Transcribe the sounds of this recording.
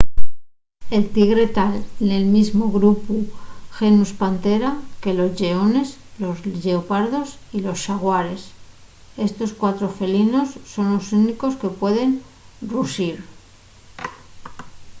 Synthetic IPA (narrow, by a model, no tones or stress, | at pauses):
e̞lt̪iɣɾe̞t̪alene̞lmizmo̞ɣɾupuxe̞nuspant̪e̞ɾake̞lo̞zʎe̞o̞ne̞s | lo̞zʎe̞opaɾðo̞silo̞sʃaɣwaɾe̞s | e̞st̪o̞skwat̪ɾo̞fe̞lino̞sːo̞nlo̞suniko̞ske̞pwe̞ðe̞n | rusiɾ